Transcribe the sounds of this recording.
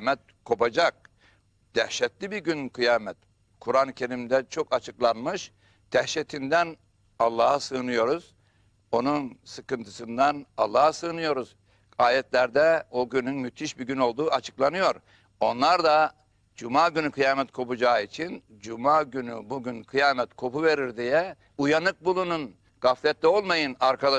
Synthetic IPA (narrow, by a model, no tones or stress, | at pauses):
mɛt̪̚kʰo̞pad͡ʒak̚ | d̪̥ɛhʃɛt̪lʲibiɾɡynkʰɯjaːmɛt̪ | kʰuɾanɯcʰe̞ɾimd̪ɛt͡ʃʰo̞kat͡ʃʰɯklˠanmɯʃ | d̪̥ɛhʃɛt̪ʰind̪æn | alˠːaːhasɯːnɯjo̞ɾuz̥ | o̞nunsɯkɯnt̪ʰɯ̥sɯnd̪analˠːaːhsɯːnɯjo̞ɾuz̥ | aːjɛt̪lʲæɾd̪ɛoɟynynmyt̪ʰiʃbiɟyno̞lˠd̪uːat͡ʃʰɯ̥klˠanɯjo̞ɾ | o̞nlˠaɾd̪a | d͡ʒumaːɟynykʰɯjaːmɛt̪̚kʰo̞pud͡ʒaːit͡ʃʰin | d͡ʒumaːɟynybuɟynkʰɯjaːmɛt̪kʰo̞puve̞ɾiɾd̪ijɛ | ujanɯk̚bulˠunun | ɡ̥aflʲɛt̪lʲɛo̞lˠmajɯnaɾkʰad̪a